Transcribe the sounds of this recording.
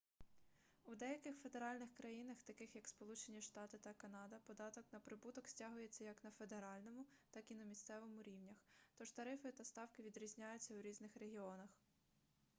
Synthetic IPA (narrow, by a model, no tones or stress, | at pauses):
ud̪ɛjɐkɪxfe̞d̪e̞ɾɑlʲnɪxkɾɐjinɐxt̪ɐkɪxjɐkspɔlˠut͡ʃenʲiʃt̪ɑt̪ɪt̪ɐkɐnɑd̪ɐpɔd̪ɑt̪ɔknɐpɾɪbut̪ɔksʲtʲɑɦʊjet͡sʲːɐjɐknɐfe̞d̪e̞ɾɑlʲnɔmʊt̪ɑkinɐmʲist̪sɛʋɔmʊɾʲiwnʲɐxt̪ɔʒt̪ɐɾɪfɪt̪ɐst̪ɑwkɪʋʲid̪ɾʲizʲnʲajʊt͡sʲːɐwɾʲiznɪxɾe̞ɦʲiɔnɐx